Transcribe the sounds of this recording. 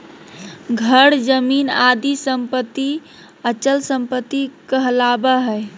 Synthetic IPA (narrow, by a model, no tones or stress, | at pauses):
ɡʱəɽd͡ʒəminad̪isəmpət̪ːi | ət͡ʃəlsəmpət̪ːikəɦlabəɦɛ